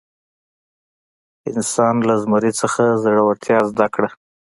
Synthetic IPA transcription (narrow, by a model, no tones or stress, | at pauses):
ɪnsɑnlazmʊɾit͡səxazaɽawaɾt̪ʰjɑzd̪akɽa